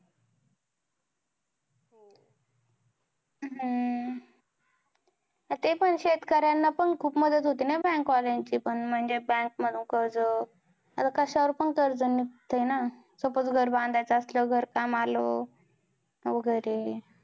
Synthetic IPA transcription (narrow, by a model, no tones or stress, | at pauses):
ɦ | t̪epəɳɕet̪kaɾjanːapəɳkʰuːpməd̪ʱət̪ɦot̪iːnabɛ̃ŋkʋalaɲt͡ɕipəɳm̤əɳd͡zebɛ̃ŋk̚məd̪ʱuːnkəɾd͡zə | əsakəɕaɾpəɳkəɾd͡zənit̪ʰəjna | sopət͡sɡʱəɾbãnd̪ʱajt͡səəsləɡʱəɾkamalo | ʋəɡəjɾe